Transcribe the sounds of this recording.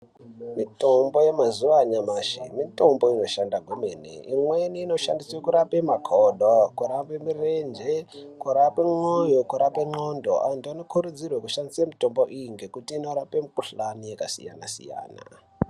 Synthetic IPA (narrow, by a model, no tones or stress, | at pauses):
mitombo̞je̞mazuʋaɲamaʃimito̞mbo̞ino̞ʃandaɡwemenḛimweniːno̞ʃa̰ndisekuɾapemakʰoɗokuɾapemirend͡ʒekuɾapeŋ͡ǃojokuɾapeŋ͡ǃondo̰ʔa̰antuano̞kʰuɾud͡zirwekuʃandisemito̞mboʔiŋɡe̞kutiːno̞ɾapemukuɬanijekasḭja̰na̰sḭja̰ːna̰